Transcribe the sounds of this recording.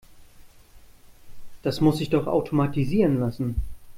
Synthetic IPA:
d̥asmʊsɪçd̥ɔχa̰ʊtʰomatiziːʁənlasn̩

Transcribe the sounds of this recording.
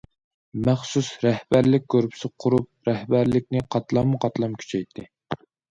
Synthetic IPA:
mæχsusɾɛhbæɾlɪk̚ʲkʲʰːøɾpʰɪ̥sɪqʰʊɾup̚ɾɛhbæɾlɪk̚ʲnɪqʰɑt̪lˠɑmːʊqʰɑt̪lˠɑmkʲʰy̥t͡ʃʰɛjt̪ʰːɪ

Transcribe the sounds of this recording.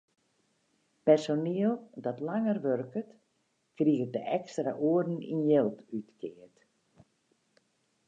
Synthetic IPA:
pɛrsoniəlˠdɔtlaŋərʋørkət | kriɣədəʔɛkstra̰ʔuərdn̩ḭnjelˠtytkʰɪərt

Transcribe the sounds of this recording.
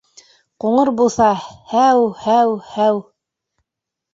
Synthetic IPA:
quɴɤɾbulˠθɑhæwhæwhæw

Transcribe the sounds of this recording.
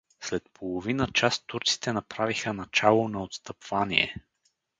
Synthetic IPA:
slɛt̪̚pʰolˠovinət͡ʃast̪ːuɾt̪si̥t̪ɛnɐpɾavixənɐt͡ʃalˠonɐot̪st̪əpv̥anḭɛ̰

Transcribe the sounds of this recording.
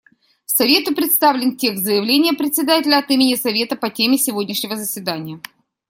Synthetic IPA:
fsɐvʲe̞t̪ʊpɾʲɪt̪st̪avlʲɪntʲe̞kt̪zəjɪvlʲenʲɪjəpɾʲɪt̪sʲɪd̪atʲɪlʲəɐt̪imʲɪnʲɪsɐvʲe̞t̪əpɐtʲemʲɪsʲɪvodʲnʲɪʂnʲɪvəzəsʲvʲɪd̪anʲɪjə

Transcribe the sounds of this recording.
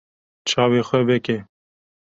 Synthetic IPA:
t͡ʃʰɑːweːxʷɛbɛkɛ

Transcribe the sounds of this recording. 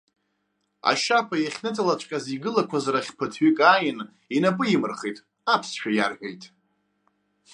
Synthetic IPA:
a̰ʃapʰajaχʲnɨtʰalat͡ʃʷʰʼkʲʼaziɡɨlakʷʰazaɾaχʲpʰɨtʰɥikʼajɪn | inapʼɨimɨrχejtʼ | apʰsʃᶣajarɡajtʼ

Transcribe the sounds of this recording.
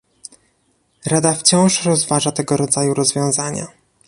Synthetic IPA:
ɾad̪aft͡ɕɔ̃w̃ʂɾɔzvaʐat̪ɛɡɔɾɔd̪zajuɾɔzvʲjɔ̃w̃zaɲa̰

